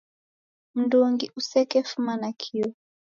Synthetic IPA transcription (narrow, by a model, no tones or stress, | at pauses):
m̩ndɔŋɡiʔusɛkɛfumanakʰiɔ